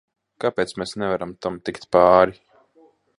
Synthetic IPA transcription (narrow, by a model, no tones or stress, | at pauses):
kapeːt̪smɛsnɛvaɾamt̪amt̪ikt̪paːɾi